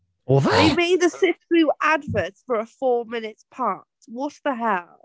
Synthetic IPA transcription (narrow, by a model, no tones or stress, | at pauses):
ɔððeɪmeɪd̪̚ðəsɪkɹʉːʔadvɛsfə˞əfɔːmɪnɪtspʰɑˑswʌtsðəɦaʊ